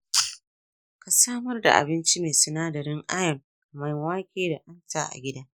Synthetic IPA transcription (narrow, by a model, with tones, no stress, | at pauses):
ka˨saː˦mɐ˦rda̰˨ʔa̰˨bɪ˦nt͡ʃi˦meː˨sʊ˨naː˦dɐ˨ɾɪ˦ŋʔa˦jɐ˨m˨ | ma˨jwaː˦kʲeː˦da˨ʔa˦ntaː˦ʔa̰˨ɡʲɪ˦daː˦